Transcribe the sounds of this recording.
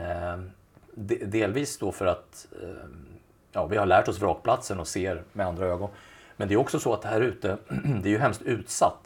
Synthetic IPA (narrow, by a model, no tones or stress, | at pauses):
d̪d̪eːlviːsd̪ofœɾat̪ | jɑːvɪhaɭæːʈɔsvɾɑːk̚pʰlat̪sənɔseːɾmɛand̪ɾaøːɡɔnmɛnd̪ɛjɵɔksɔsɔat̪hæːɾʉ̟ːt̪əd̪ɛæɾjɵɦɛmst̪ʉ̟ːt̪sat̪ː